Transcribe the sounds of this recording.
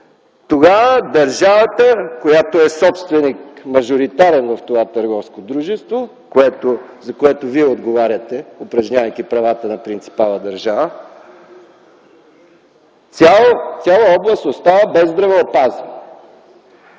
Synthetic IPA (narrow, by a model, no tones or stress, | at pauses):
t̪oɡavəd̪ɐɾʒavət̪əkojat̪oɛsɔpst̪vɛnikmɐʒoɾit̪aɾɛnvɐft̪ovat̪əɾɡɔfskod̪ɾuʒɛst̪vo | koɛt̪ozɐkoɛt̪oviɛod̪ɡovaɾʲət̪ɛopɾɐʒɲʲavɐjkʲipɾɐvat̪ənɐpɾint̪si̥palˠəd̪ɐɾʒavə | sʲat̪sʲjalˠəɔblˠəst̪ost̪avəbɛzd̪ɾɐvɛopaz